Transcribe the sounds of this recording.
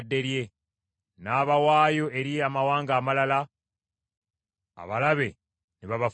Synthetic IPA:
dːe̞ɾje̞ | naːβawaːjo̞ʔe̞ɾiamawaːŋɡaːmalala | a̰βalaβe̞ | niβaβaf

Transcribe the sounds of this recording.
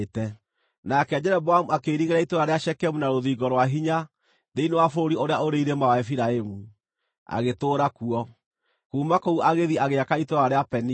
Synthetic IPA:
tɛ | nakɛad͡ʒɛɾɛbwamuakeɾiɣeɾaitoɾaɾeaʃɛkɛmunaɾoðiɣɔɾwaɦiɲa | ðeinewafoɾioɾeaoɾeiɾemawaɛfiɾaemu | a̰ɣetoːɾakuɔ | kuːmakouʔaɣeðiaɣeakaitoɾaɾeapɛni

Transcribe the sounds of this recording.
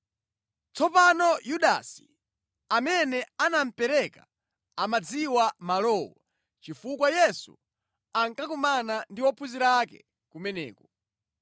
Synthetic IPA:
t͡sɔpanɔjuɗa̰si̥ | amɛnɛanam̩pɛɾɛka̰ | amad͡ziwamalɔwɔ | t͡ʃifukwajɛsṵ | aŋkakumanandiwɔpʰuziɾakɛ̰ | kumɛnɛ̰ːkɔ

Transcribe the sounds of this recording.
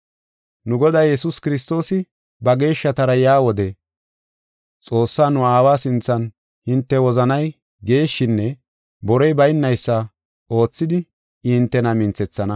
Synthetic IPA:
nʊɡɔd̪aːjɛsʊskɪɾɪs̬t̪o̞ːsɪ | bɐɡe̞ːʃːɐt̪ɐɾɐjaːwɔd̪ɛ | t͡sʼo̞ːsːaːnʊaːwaːsɪnt͡sːɐn | hɪnt̪ːɛwɔzɐnɐj | ɡe̞ːʃːɪnːɛ | bɔɾɔjbɐjɪnːɐjsːɐ | o̞ːt͡sːɪd̪ɪ | hɪnt̪ːɛnɐmɪnt͡sɛt͡sːɐnɐ

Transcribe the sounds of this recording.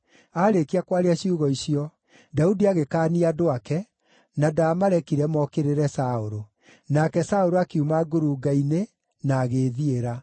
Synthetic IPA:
aːɾekiakwaɾeaɕiuɣɔisiɔ | daudiaɣekaːniadoakɛ | nadaːmaɾɛkiɾɛmɔkeɾeɾɛsaoɾo | nakɛsaoɾoakiumaɡoɾuɡaine | naːɣeðieɾa

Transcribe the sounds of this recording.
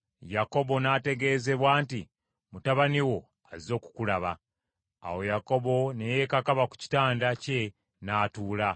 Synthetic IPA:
jako̞bo̞nate̞ɡe̞ːze̞βwaːnti | mutaβaniwo̞ | azizo̞ːku̥kulaβa̰ː | wo̞jako̞bo̞neje̞kakaβaku̥ci̥taːndace̞ | naːtuːla

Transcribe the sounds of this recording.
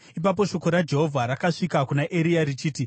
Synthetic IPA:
ip̬ap̬o̞ʃo̞ko̞ɾad͡ʒe̞ɦo̞vʱaɾakaʂikakunaʔe̞ɾijaɾit͡ʃiːti

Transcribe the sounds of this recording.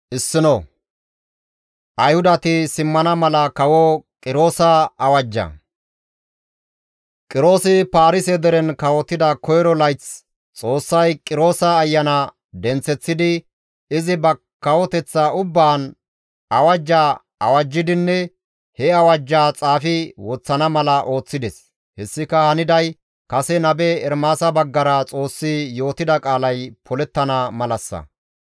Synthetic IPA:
ʔɪsːɪnɔ | ʔɐjhʊd̪ɐt̪ɪsɪmːɐnɐmɐlɐkɐwɔkʼɪɾo̞ːsɐɐwɐd͡ʒːɐ̰ | kʼɪɾo̞ːsɪpaːɾɪsɛd̪ɛɾɛnkɐwɔt̪ːɪd̪ɐkɔjɾɔlɐjt͡s | t͡sʼo̞ːsːɐjkʼɪɾo̞ːsɐːjːɐnɐ | d̪ɛnt͡sːɛt͡sːɪd̪ɪ | ɪzɪbɐ | kːɐwɔt̪ɛt͡sːaʊbːaːn | ɐwɐd͡ʒːaː | ɐwɐd͡ʒːɪd̪ɪnːɛ | hɛɐwɐd͡ʒːaːt͡sʼaːfɪwɔt͡sːɐnɐmɐlɐʔo̞ːt͡sːɪd̪ɛs | hɛsːɪkɐhɐnɪd̪ɐj | kɐsɛnɐbɛɛɾmaːsɐbɐɡːɐɾɐt͡sʼo̞ːsːɪjo̞ːt̪ɪd̪ɐkʼaːlɐjpʰɔlɛt̪ːɐnɐmɐlɐsːɐ̰

